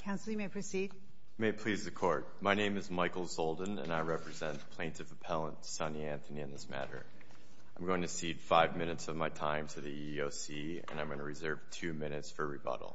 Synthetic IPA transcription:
kʰãʊ̃nsl̩ˠjɨmeɪpʰɹ̥ɨsid̥̚ | meɪpʰl̥izðɨkʰɔɹt̚maɪnẽɪ̃mɨzmaɪkl̩ˠsoʊlˠd̃ⁿn̩ɨ̰̃naɪɹɛpɹɨzɛ̃npʰl̥ẽɪ̃ntɨvɨpʰɛlˠə̃ntsʌ̃niæ̃nθɨniɨ̃nðɪsmæ̰ɾə̰˞ | ãɪ̃mɡoʊɪ̃ŋtʰɨsid̥faɪvmɪ̃ñɨtsʌvmaɪtʰãɪ̃mtʰɨðiioʊsi | ɨ̰̃nãɪ̃mɡʌnəɹɨzɜ˞v̥tʰʉmɪ̃nɨtsfə˞ɹibʌ̰ɾl̩ˠ

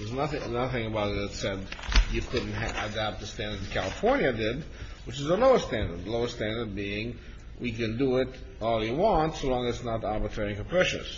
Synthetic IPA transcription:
ðəznʌθɪ̃ŋnʌθɪ̃ŋɨbaʊɾɨɨtsɛdjɨkʰʊdⁿn̩t̚ɨdæp̚t̪̚ðɨstæ̃ndə˞dkʰæ̰lˠəfɔɹnjɨdɪd̚ | wɨt͡ʃɨzəloʊə˞stæ̃ndə̰˞dəloʊəstæ̃ndə˞d̚biɪ̃ŋ | wʔikɨ̃ndɨɪɾ | ɔlˠjɨwɑ̃ntsoʊlɔ̃ŋɨzsnəɾɑɹbɨtʰɹ̥ɛɹɪ̃ŋkɨ̃pʰɹ̥ɛʃɨ̰̃s

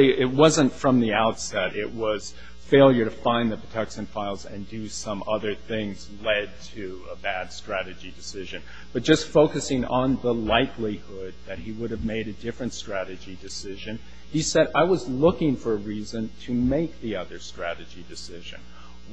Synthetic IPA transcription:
iɪt̚wʌzə̃ntfɹʌ̃mðiaʊtsɛɾɪʔ̚wʌz̥ | feɪlˠjə˞ɾɨfãɪ̃nðɨpʰɹ̥ətʰɛkʃɨ̃nfaɪlˠzɨ̰̃ndɨsʌ̃mʔʌðə˞θɪ̃ŋzlɛd̚tʰɨ | əbæd̥stɹ̥æɾɨd͡ʒidɨsɪʒɨ̃n | b̥ʌt̚d̥ʒ̥ʌstfoʊkɨsɪ̃ŋə̃nðəlaɪkˡlihʊd̪̚ðɨt̚hiwʊɾɨvmeɪɾɨdɪfɹɨ̃ntstɹ̥æɾɨd͡ʒidɨsɪʒɨ̃n | isɛɾaɪwʌzlʊkɪ̃ŋfə˞əɹizɨ̃ntʰɨmeɪk̚ðiʌðə˞stɹ̥æɾɨd͡ʒidɨsɪʒɨ̰̃n

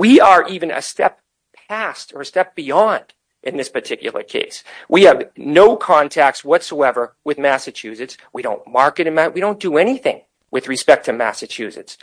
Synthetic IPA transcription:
wiə˞ʔivɨ̃nɨ̰stɛpʰ | æstə˞ɨstɛp̚b̥iɑ̃nd̥ | ʔɨ̃nðɪspə˞tʰɪkjl̩ˠə̰˞kʰḛɪswʔiɨvnoʊkʰɑ̃ntʰæk̚tswʌtsoʊɛvə˞wɨðmæsɨt͡ʃʰʉsɨtswiɾõʊ̃nmɑɹkɨɾɨ̃nmawiɾõʊ̃nd̥ɨɛniθɪ̰̃ŋ | wʔɨðɹɨspɛk̚tʰɨmæ̰sɨt͡ʃʰʉsɨ̰ts

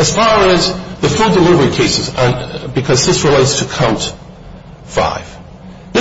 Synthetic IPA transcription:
ɨz̥faɹɨzðɨfʉdəlɪvə˞ikʰeɪsɨzə̃nbɨkʰʌzðɪsɹɨleɪtstʰəkʰãʊ̃nt | fa̰ɪv̥ | ðɪ

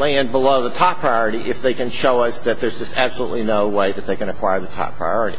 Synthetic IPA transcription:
læ̃n̚bəloʊðətʰɑpʰɹ̥aɪɔɹɨɾiʔɪfðeɪkɨ̃nʃoʊʌsðɨt̪̚ðə˞zd͡ʒʌstæb̥səlṵʔˡlinoʊweɪðɨt̪̚ðeɪkɨ̃ñɨkʰw̥aɪə˞ðɨtʰɑ̰pʰɹ̥a̰ɪɔɹɨɾḭ

